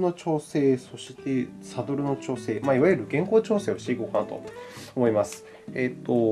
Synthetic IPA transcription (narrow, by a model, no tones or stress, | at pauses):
no̞t͡ɕo̞ːse̞ːso̞ɕi̥t̪e̞sad̪o̞ɾɯ̟no̞t͡ɕo̞ːse̞ːmaiβajɯ̟ɾɯ̟ɡẽ̞ŋko̞ːt͡ɕo̞ːse̞ːoɕi̥t̪eikoːkanat̪o̞̰omo̞imasɨ̥ | et̪ːo̞